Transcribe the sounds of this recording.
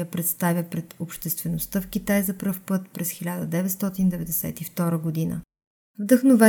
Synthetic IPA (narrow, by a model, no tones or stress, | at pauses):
jəpɾɛt̪st̪avʲjəpɾɛt̪opʃt̪ɛst̪vɛnost̪əfk̟it̪ajzɐpɾɤfpɤt̪pɾɛsxilʲad̪əd̪ɛvɛt̪st̪ɔt̪ind̪ɛvɛd̪ɛsɛ̰t̪ift̪ɔɾəɡod̪inə̰ | vd̪əxnovɛ